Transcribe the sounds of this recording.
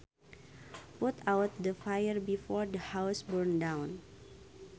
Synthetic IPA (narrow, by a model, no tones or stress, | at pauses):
put̪awt̪̚dəfajərbifɔɹdəhawsbəɹndãwn